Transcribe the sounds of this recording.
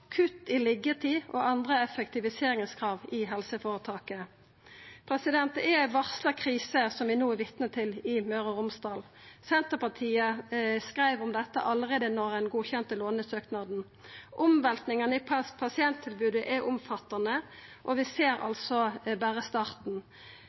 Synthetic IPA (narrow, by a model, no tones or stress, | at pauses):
kʰʉt̪ɪlɪɡət̪ʰiːɔ̰ʔɑnd̪ʁəɛfəkt̪ɪʋɪseːʁɪŋəskʰʁɑːʋɪɦɛlsəfoːʁət̪ʰɑːkə | pʰʁɛsɪd̪ɛnt̪əɛʋɑʁsləkʰʁiːsəsɔmʋɪnoːɛʋɪt̪nət̪ʰɪlɪmœʁəʁʊmst̪ɑːl | sɛnt̪əpɑʁt̪ʰiːəskʁæɪʋʊmd̪ɛt̪ːə̰ʔɑləʁeːd̪ənɔʁdɛnɡuːçɛnt̪əloːnəsøːknɑd̪n̩ | ʔʊmʋɛlt̪nɪŋənəɪpʰɑspʰɑsɪɛnt̪ʰːɪlbʉːd̪əʔɛʔʊmfɑt̪ːɑnəʔɔʋɪseːɾɑ̰lsɔbæːʁəst̪ɑːʁt̪n̩